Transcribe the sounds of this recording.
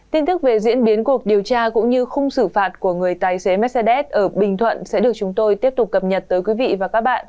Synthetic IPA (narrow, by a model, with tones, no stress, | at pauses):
t̪i˧nt̪ɨ˦˥k̚ve˨˩zḭ˧˥ənɓi˨˦ənku˨˩ək̚ɗi˨˩əwt͡ɕaː˧kʊ̰˧˥ŋ͡mɲɨ˧xə˧wŋ͡msɨ˧˩faː˨˩t̚ku˧˩əŋɨ˨˩əjt̪aː˨˩jse˨˦mɛ˦˥t̚sɛ˧ɗɛ˦˥t̚ʔəː˧˩ɓï˨˩ŋ̟t̪ʰwə̰˧˨nsɛ̰˧˥ɗɨ˨˩ək̚t͡ɕʊ˨˦ŋ͡mt̪o˧jt̪i˦˥əp̚t̪ʊ˨˩k͡p̚kːə˨˩p̚ɲə˨˩t̚t̪əː˨˦jkwi˨˦vḭ˧˨vaː˨˩kaː˦˥k̚ɓa̰ː˧˨nʔ